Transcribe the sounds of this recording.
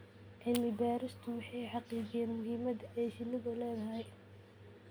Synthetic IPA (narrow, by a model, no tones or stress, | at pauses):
ʕɪlmɪbaːɾɪst̪ʰʊwɑħɑjħɑqiːd͡ʒɪjɛːnmʊɦiːmɐd̪ɛːʃɪnɪɣɔlɛːðɐɦɛj